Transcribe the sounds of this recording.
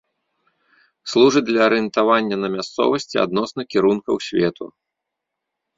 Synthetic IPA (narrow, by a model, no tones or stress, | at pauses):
slˠuʐɨd̪lʲɐːɾɨɨnt̪avanʲːɐnɐmʲast̪sɔ̰vɐsʲt͡sʲia̰d̪̚nɔsnɐkʲiɾunkɐwsʲvʲɛt̪ʰṵ